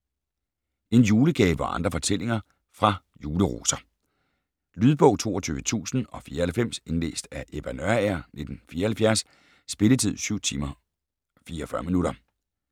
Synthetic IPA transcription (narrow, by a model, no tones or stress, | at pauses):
e̝njuːləɡ̥ɛːʋɒʔɑ̈nd̥ʁɐfɒ̽t͡sʰel̰e̝ŋɐ | fʁɑ̈ | juːləʁo̝̰ːsɐ | lyːð̞ˠb̥ɔ̽ʊ̰t͡sʰo̝̰ːɒt͡sʰyːʋət͡sʰṵːsn̩ɒ̽fiːɐhælfem̰se̝nlḛːsd̥æʔeʋ̥ænøɐæɐ̰ne̝d̥n̩fiːɐhælfjæɐs | sb̥e̝lət͡sʰið̰ˠsyʊ̰t͡sʰiːmɐ | fiːɐfɶɐminuɾɐ